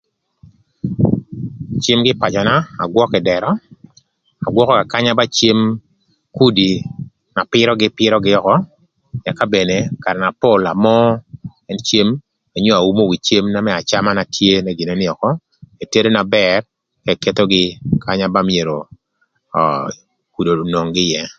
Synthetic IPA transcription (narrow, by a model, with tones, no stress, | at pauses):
t͡ʃe˦mɡɪ˦pa˨t͡ʃɔ˨na˦a˨ɡwɔ˦kɪ˨dɛ˨ɾɔ˦ | a˨ɡwɔ˦kɔ˦ka˨ka˦ɲa˦ba˦t͡ʃe˦m | ku˦di˨ | na˨pɪ˦ɾɔ˦ɡɪ˦pɪ˦ɾɔ˦ɡɪ˦ɔ˨kɔ˦ | ja˨ka˦be˨ne˨ka˨ɾna˨po˦la˨mɔ˦ɛ˦nt͡ʃe˦m | a˨ɲo˦a˨u˦mo˦wi˨t͡ʃe˦mna˦mɛ˦a˨t͡ʃa˦ma˦na˨tʰje˦na˦ɡi˨no˦nɪ˦ɔ˨kɔ˦ | e˨te˦de˦na˨bɛr | kɛ˨ke˦t̪o˦ɡɪ˦ka˦ɲa˦ba˦mje˨ɾo̰˨ | ku˨do˨no˨ŋɡɪ˦jɛ˦